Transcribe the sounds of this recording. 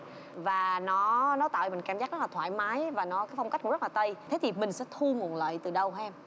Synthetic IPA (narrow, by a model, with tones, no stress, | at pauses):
vaː˨˩nɔ˨˦nɔ˨˦t̪a̰ː˧˨jmï˨˩ŋ̟kaː˧mzaː˦˥k̚zɔ˦˥laː˨˩t̪ʰwaː˧˨jmaː˨˦jvaː˨˩nɔ˨˦kaː˨˦jfa˧ŋ͡mka˦˥k̟kzə˦˥lːaː˨˩t̪ə˧jt̪ʰe˨˦t̪ʰi˨˩mï˨˩ŋ̟sɛ̰˧˥t̪ʰu˧ŋu˨˩ənlə̰ː˧˨jt̪ɨ˨˩ɗə˨˩whɛ˧m